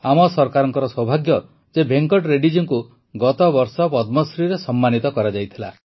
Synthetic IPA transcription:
amɔsɔɾkaɾɔŋkɔɾɔsɔbʱaɡjɔ | d͡ʒebʱeŋkɔʈɾeɖid͡ʒɔŋku | ɡɔt̪ɔbɔɾsɔpɔd̪mɔsɾiɾesɔmːanit̪ɔkɔɾad͡ʒajt̪ʰila

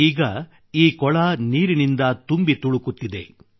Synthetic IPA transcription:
iːɡɐ | iːkɔɭaniːɾinind̪ɐt̪umbit̪uɭukut̪ːid̪ḛ

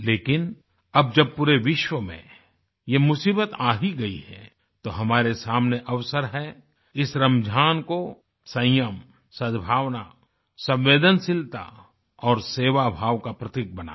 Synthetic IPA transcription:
leːkɪn | ɐb̚d͡ʒɐb̚puɾeʋɪʃwəmḛ̃ | jemʊsiːbət̪aːɦiɡɐḭɦɛ̰ | t̪oɦɐmaːɾesaːmneʔɐʋsəɾɦɛ | ɪsɾɐmd͡ʒʱaːnko | sɐ̃jəm | səd̪bʱaːʋna | sɐ̃mʋeːd̪ənsɪlt̪a̰ | ɔːɾseːʋabʱaːʋkapɾɐt̪ɪk̚bɐna̰ː

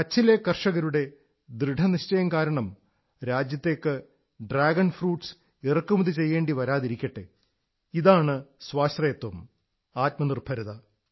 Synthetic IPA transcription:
kɐt͡ɕːile̞kːɐrʂɐɣɐɾuɽe̞ | d̪rɨɖʱɐniɕt͡ɕɐjɐmkaːɾɐɳɐm | ɾaːd͡ʑjɐt̪ːe̞ːkːɨ | ɖraːɡɐnfruːʈs | irɐkːumuðit͡ɕe̞jːe̞ːɳɖiʋɐɾaːðiɾikʲːɐʈːe | iðaːɳɨsʋaːʂt̪rɐjɐt̪ːwɐm | aːt̚mɐnirbʱɐɾɐðɐ

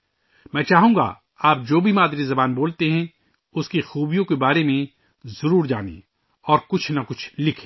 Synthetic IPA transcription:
mɛ̃ːt͡ʃaːɦũːŋɡa̰ | aːp̚d͡ʒoːbʱimaːd̪ɾizɐbaːnboːlt̪eɦɛ̃ | ʊskixuːbʱijõkebaːɾemẽ | zɐɾuːɾd͡ʒa̰ːnḛ | ɔːɾkʊt͡ʃʰnɐkʊt͡ʃʰlɪkʰẽː

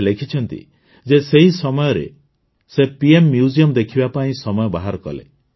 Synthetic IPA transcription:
lekʰit͡ʃʰɔnt̪ḭ | d͡ʒeseɦisɔmɔjɔɾḛ | sepiemːjud͡ʒiɔmd̪ekʰibapaĩsɔmɔjɔbaɦaɾɔkɔ̰lḛ

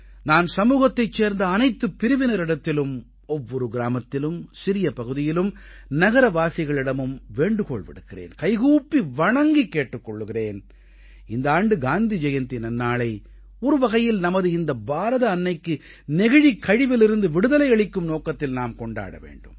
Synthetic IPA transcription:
naːnsɐmuːɣɐt̪ːɐɪt͡ʃːeːɾnd̪ɐːnɐɪt̪ːɯpːɪɾɯʋɪnɐɾɪɽɐt̪ːɪlɯm | ɔʋːɔɾɯɡɪɾaːmɐt̪ːɪlɯmsɪɾɪjɐpɐɣɯðɪjɪlɯmnɐɣɐɾɐʋaːsɪɣɐɭɪɽɐmɯmʋeːɳɖɯkoːɭʋɪ̰ɽɯkːɪrḛːnkɐɪɣuːpːiʋɐɳɐŋɡikːeːʈːɯkːɔɭːɯɣɪreːn | ɪnd̪ɐaːɳɖɯɡaːnd̪id͡ʒɐjɐnt̪inɐnːaːɭɐɪ | ɔɾɯʋɐɣɐjɪlnɐmɐðɯɪnd̪ɐbaːɾɐðɐːnːɐɪkːɯ | nɛɣɐɻikʰːɐɻɪʋɪlɪɾɯnd̪ɯʋɪɽɯðɐlɐɪɐɭɪkːɯmnoːkɐt̪ːɪlnaːmkɔɳɖa̰ːɽɐ̰ʋḛːɳɖɯm

